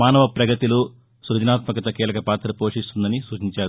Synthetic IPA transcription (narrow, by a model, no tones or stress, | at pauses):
aːnɐʋɐpɾɐɡɐt̪ilu | suɾɐd͡ʒinaːt̪mɐkɐt̪ɐkiːlɐkɐpaːt̪ɾɐpo̞ːʂist̪und̪ɐnisuːt͡ʃiɲt͡ʃaːɾu